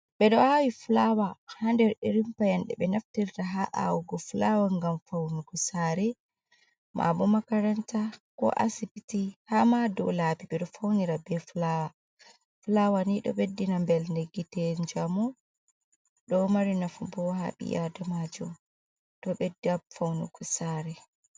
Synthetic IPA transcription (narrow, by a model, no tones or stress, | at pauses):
bɛɗɔhawiflawahandɛɾiɾimpajanɗɛɓɛnaftiɾtaɦaʔa̰wɡɔflawaŋɡamfawniɡɔsaɾɛ | mʔa̰bɔmakaɾantakɔ̰ʔa̰sipitihamadɔlaːbibɛɗɔfawniɾabɛflawa | flawaniɗɔ̰ɓedːinambɛlndeɡːitɛɲd͡ʒamu | ɗɔmaɾinafubɔwha̰ɓḭjadamad͡ʒum | ɗɔɓɛdabfawnṵɡɔsaɾɛ